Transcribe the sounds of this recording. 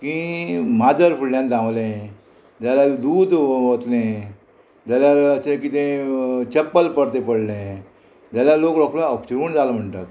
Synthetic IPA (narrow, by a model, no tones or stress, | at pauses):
kĩmad͡zəɾfulljãnt̪ãwʋlẽ | d͡ʑ̪jalad̪uːd̪ʋot̪lẽ | d͡ʑaljaɾəsẽkit̪ẽt͡ɕəpːəlpəɾt̪epəɽlẽ | d͡ʑjaljalokɾɔklãɔpsuːnd͡zalam̤əɳʈ̪at̪